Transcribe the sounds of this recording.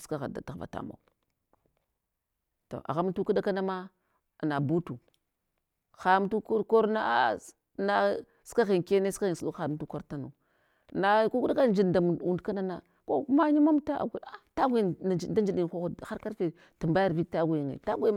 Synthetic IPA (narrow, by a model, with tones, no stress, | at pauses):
ska˨ɣa̰˨da˨ta˨ɣva̰˨ta̰˨ma̰˨ | to̰˨ʔa̰˨ɣa˦m˦tu˦ku˦da˦ka˦na˦ma˦˨ | na˨bu˦tu˨ | xa˨˦m˦tu˦kko˦ɾna˦a̰˦ | na˦ | ska˦ɣi˨nke˦ne˦ska˦ɣi˨n˨su˨ɗu˦xa˨m˨tu˦ko˦ɾta˦nṵ˨ | na˨˦ku˦ku˦da˦ka˦˨d͡ʒi˦dda˨mu˨u˨ndka˦na˦na˨ | ko˦ma˦ɲi˦ma˦mta˦ʔa̰˨ɡu˨a˦ta˦ɡʷi˦˨d͡ʒi˨da˦d͡ʒi˨ɗi˨n˨xo˦xxa˦ɾka˦ɾfe˨ | tu˨mba˦ja˦ɾbi˦ta˦ɡʷu˨jŋḛ˨ta˦ɡʷe˦